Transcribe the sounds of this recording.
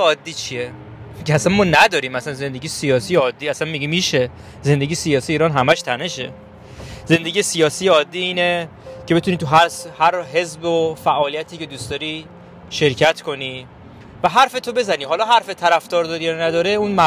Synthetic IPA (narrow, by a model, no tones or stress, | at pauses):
ɒːd̪ːiːt͡ʃʰie | ceæsænmɒːnæd̪ɒːɾiːmæsænze̞nd̪e̞ɟijesijɒːsiːjeɒːd̪ːiːæsænmiɟimiʃe̞ | ze̞nd̪e̞ɡijesijɒːsijeiːɾɒːnɦæmæʃt̪ʰæne̞ʃe̞̰ | ze̞nd̪eɡijesijɒːsiːjeɒːd̪ːiːiːne | cʰe̞be̞t̪uniːt̪ʰuɦæɾshæɾɦe̞zbofæʔɒːlijæt̪ʰiːced̪uːsd̪ɒːɾi | ʃe̞ɾcʰæt̪ʰkʰo̞ni | væɦæɾfe̞t̪ʰo̞be̞zæniːɦɒːlɒːɦæɾfet̪ʰæɾæfd̪ɒːɾd̪ɒɾijɒnæd̪ɒːɾeunmæ